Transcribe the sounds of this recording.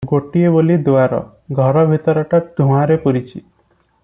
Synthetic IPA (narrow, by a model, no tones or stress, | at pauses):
ɡoʈiebolid̪oaɾɔ̰ | ɡʱɔɾɔbʱit̪ɔɾɔʈaɖʱũaɾepuɾit͡ʃʰi